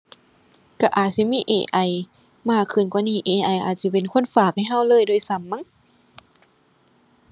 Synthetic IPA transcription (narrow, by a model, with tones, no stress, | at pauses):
ka˧˩ʔaː˨˩t̪̚si˧˦miː˧˥˨ʔḛː˧˩ʔa˧˩˨j | maː˧˩kʰːɯ˨˧˩nkwaː˧˦niː˧˥˩ʔeː˧˩ʔa˧˩jʔaː˨˩t̪̚si˧˩pe˨nkʰo˧˥˨nfaː˨˩k̚ha˧˥˩jɦa˧˥˨wlɤː˧˥˨jdoː˧˨jsa˧˦mːa˧˥˨